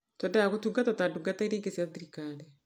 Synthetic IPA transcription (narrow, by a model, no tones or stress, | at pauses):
tɔndajaɣotuŋɡatɔtaduŋɡataiɾeːŋɡesiaðiɾikanɛ